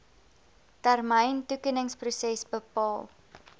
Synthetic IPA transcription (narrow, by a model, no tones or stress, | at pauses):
tærməjntukinəŋsprusɛsbəpɑːlˠ